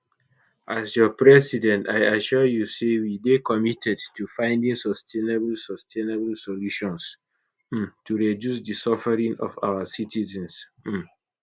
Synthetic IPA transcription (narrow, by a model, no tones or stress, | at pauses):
ʔasjɔpɹɛsidɛ̃nta̰ɪaʃɔjusewidekɔmitʰɛdtufãɪ̃ndĩŋsɔstʰenebəlsɔstʰeneblsɔluʃɔ̃ns̩ | tʰuɹɛdjusdisɔfɛɹĩŋɔ̰fa̰wəsitizɛ̃ns̩